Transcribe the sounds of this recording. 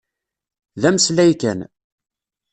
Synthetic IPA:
ðæmslæjkæn

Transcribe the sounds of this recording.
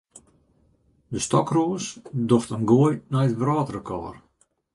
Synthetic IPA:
dəstɔkroːəsdoftənɡoəjnɛjətʋraːtərəkʰɔ̰ːr

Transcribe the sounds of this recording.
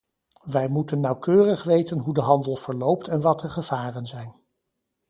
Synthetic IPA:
ʋɛjmutənːɑwkøːrəχʋejtənɦudəɦɑndəlˠv̥əɹlowp̚tɛnʋɑtəχəv̥aːrənzɛjn

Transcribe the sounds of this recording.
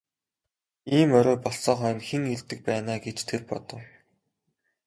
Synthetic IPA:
iːmœɾɔːpɔɮsɔːχœːnxeŋiɮt̪ɘ̆k̚pæːnaːɡet͡ɕt̪ʰerpɔ̰t̪ɞ̆w

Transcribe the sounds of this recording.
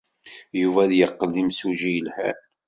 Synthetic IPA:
juvæðjəqːəlːimsuʒijəlhæ̰

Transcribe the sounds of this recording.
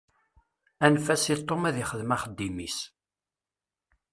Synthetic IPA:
ænfæsit̪ˤːomæðiχəðmæχəd̪ːimis

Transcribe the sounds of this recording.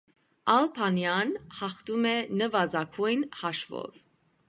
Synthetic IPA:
ɑlpʰɑnjɑnhɑχt̪umɛnəvɑzɑkʰujnhɑʃvɔ̰v

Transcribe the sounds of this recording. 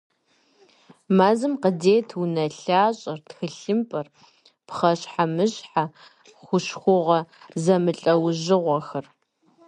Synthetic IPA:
maːzɨmqədeːtʰunɐɬaːɕʼɐrtxɨɬɨmpʼɐr | pχɐɕħamɨɕħa | χʷʊʃxʷʊʁɐ | zɐmɨɬʼɐwʒɪʁʷɔxɐr

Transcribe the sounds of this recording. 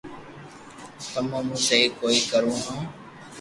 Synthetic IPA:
t̪əmãːmũːseiːkoːiːkəɾõːɦãː

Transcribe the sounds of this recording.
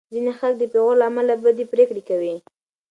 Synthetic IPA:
zinexalk̚d̪əpeɣolaːmalabad̪epɾekɽekawi

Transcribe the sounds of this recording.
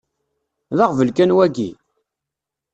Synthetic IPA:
ðaʁvəlkænwæɡḭ

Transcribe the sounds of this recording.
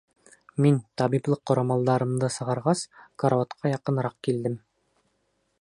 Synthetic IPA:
mint̪ɑbiblˠɤqːŏɾɑmɑlˠd̪ɑɾɤ̆md̪ɤsɤ̆ʁɑ̆ɾʁɑskoɾavat̪qʰɑjɑqɤ̆nɾɑq̚kild̪ɘm

